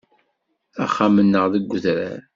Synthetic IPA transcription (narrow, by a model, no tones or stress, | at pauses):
æ̰χːamənːəʁðəɡʷːʊθɾæ̰ɾ